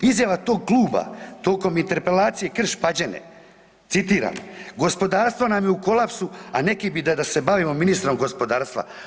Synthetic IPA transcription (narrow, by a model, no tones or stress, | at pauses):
izjaʋat̪o̞ːɡ̚klˠuːba̰t̪o̞ːko̞mint̪e̞ɾpe̞laːt̪sije̞kr̩ʃpad͡ʑe̞nḛ | t̪sit̪iːɾa̰ːmɡo̞spo̞d̪aːɾst̪ʋo̞namjeuko̞lapsuane̞kibid̪ad̪ase̞baʋimo̞minist̪ɾo̞mɡo̞spo̞d̪aːɾst̪ʋa̰